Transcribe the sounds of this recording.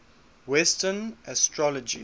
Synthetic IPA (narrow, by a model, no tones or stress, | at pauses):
wɛstənʔəstʰɹɔlɔd͡ʒḭ